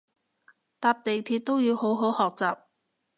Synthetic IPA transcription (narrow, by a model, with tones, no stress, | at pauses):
t̪aː˧p̚t̪e˨jt̪ʰiː˧t̚t̪o˥wjiː˨˧who˨˥wɦo˨˥whɔː˨k̚t͡saː˨p̚